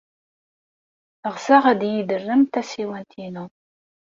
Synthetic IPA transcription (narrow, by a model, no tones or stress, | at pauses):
əʁsæʁæd̪jid̪ərːəmt̪æsiwænt̪ʰinu